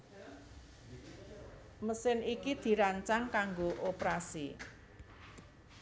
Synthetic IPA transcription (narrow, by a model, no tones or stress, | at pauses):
məsɪnikid̪̥i̤ɾaɲt͡ʃaŋkaŋɡoʔopɾasḭ